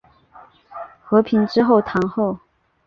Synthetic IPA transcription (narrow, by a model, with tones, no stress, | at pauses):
xɤ˧˥pʰi˧˥nʈ͡ʂɻ̩˥xo˥˩ʊt̪ʰɑ˧˥ŋxo˥˩ʊ